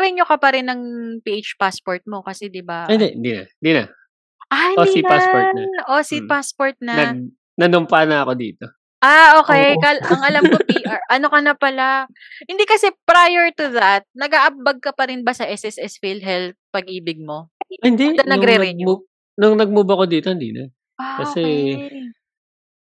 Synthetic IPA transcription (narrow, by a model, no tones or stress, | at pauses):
ɾɛɲokɐpɐɾɛnːɐŋpiːʔejt͡ʃpaspoɹt̪̚mo̞kɐsɛd̪ɪbaɪnd̪ɛʔɪnd̪inɐ̰ɪnd̪inɐ̰ | ʔaoiasoɹɐʔosipaspoɹt̪̚nɐnɐ | nɐnʊmpanɐɐko̞d̪ḭːt̪o | ʔaʔo̞ːkɛjkalɐŋɐlamkopiʔaɹʔɐno̞kɐnɐpɐla | hɪnd̪ikɐsɛpɾajɛɹt̪ʊðɐt̪̚nɐɡaʔɐp̚bɐɡ̚kɐpɐɾɪnbɐsɐʔɛsʔɛsɛsfilɦɛlt̪̚pɐɡ̚ʔiːbɪɡ̚mo̞hɪnd̪ɛd̪ɐnɐɡɾɛɾɛ | nʊŋnɐɡ̚mubɐkod̪iːt̪ohɪnd̪ḭnɐ̰ | ʔakɐsɛ